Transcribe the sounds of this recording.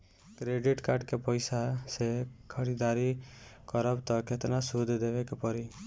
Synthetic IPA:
kɾeɖiʈkaɾɖkepɔjsasekʰɔɽid̪aɾikɔɾɔbt̪ɔkʰet̪nasud̪ʱd̪ebekepɔɾi

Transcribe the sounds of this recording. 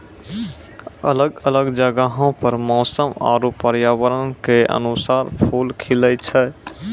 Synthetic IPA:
ə̰ləɡələɡd͡ʒəɡaɦõpəɾmɔːsəma̰ɾopːəɾjaʋəɾənkeʔə̰nusaɾpʰulkʰilət͡ʃʰɛ

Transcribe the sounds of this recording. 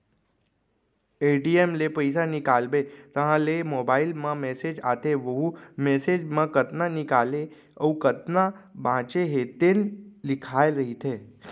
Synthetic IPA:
eːʈiemlepəɪsanɪkaːlbet̪əɦãlemoːbaːɪlmãmeːsed͡ʒa̰ːt̪eʋəɦũmeːseːd͡ʒmãkət̪nanɪkaːle | ə̰ũkət̪nabãːt͡ʃeɦet̪enlɪkʰaːeɾəɦit̪ʰeː

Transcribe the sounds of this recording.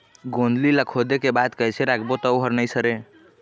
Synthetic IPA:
ɡond̪liləkʰod̪ekebad̪kəjt͡ʃʰeɾakʰbot̪əwɦəɾnəjsəɾe

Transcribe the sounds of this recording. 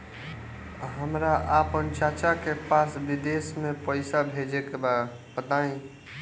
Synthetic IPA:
ɦəmɾaʔapənt͡ʃat͡ʃakepasbid̪esmẽpəɪsabʱed͡ʒekeba | bət̪aĩ

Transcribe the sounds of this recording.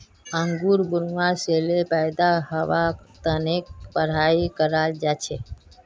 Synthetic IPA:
əŋɡuɾbuɾmaselepaɪd̪aɦəʋakt̪ənek̚pəɾ̤aikəɾald͡ʒat͡ʃʰe

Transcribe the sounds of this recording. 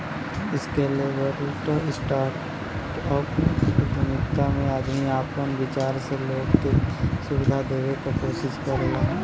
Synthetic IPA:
ɪskelieʋəɾʈɪsʈaːɾʈ | ɔːɾbʱʊmɪk̪amẽaːd̪ʱmiaːpənʋɪt͡ʃaːɾseloːɡt̪esʊʋɪd̪ʱad̪eːʋekəkoːʃɪskəɾa

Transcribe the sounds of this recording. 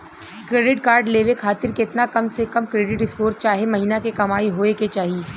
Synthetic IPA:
kɾeːɖɪʈkaːɾɖleːʋekʰaːt̪ɪɾkeɪt̪nakɐmsekɐmkɾeːɖɪʈɪskoːɾt͡ʃaːɦemɐɦiːnakekɐmaːiɦoːeket͡ʃaːɦieː

